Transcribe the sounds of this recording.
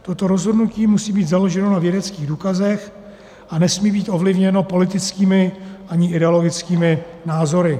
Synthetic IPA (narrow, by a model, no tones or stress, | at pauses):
t̪o̞t̪o̞ɾo̞zɦo̞dnuciːmusiːbiːt̪zalo̞ʒɛno̞navjɛdɛt͡skiːɣduːkazɛx | ʔanɛsmiːbiːt̪ʔo̞vlɪvɲɛno̞po̞lɪt̪ɪt͡skiːmɪʔaɲɪʔɪdɛolo̞ɡɪt͡skiːmɪnaːzo̞ɾɪ